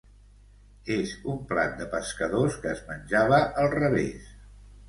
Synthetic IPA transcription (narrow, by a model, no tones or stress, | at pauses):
ezumpla̰t̪̚d̪əpəskəðoskəːzmənʲʒaβəʔəlˠrəβḛs